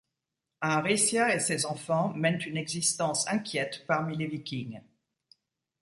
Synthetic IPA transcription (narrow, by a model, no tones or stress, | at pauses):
ɛ̃ʁisjaesezɑ̃fɑ̃mɛnt̪ynɛɡzist̪ɑ̃sɛ̃kʲjɛt̪paʁmilevikʲiŋ